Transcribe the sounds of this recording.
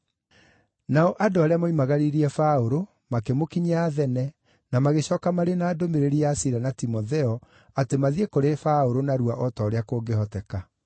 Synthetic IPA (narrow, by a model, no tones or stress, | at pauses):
naɔʔadoaɾeamaimaɣaɾiɾiɛfaoɾo | makɛmokiɲeaðɛnɛ | namaɣeɕɔːkamaɾenaːdomeɾeɾiasiɾanatimɔðɛɔ | atemaðiekoɾefaoɾonaɾuaʔɔtɔːɾeakoːɡehɔtɛka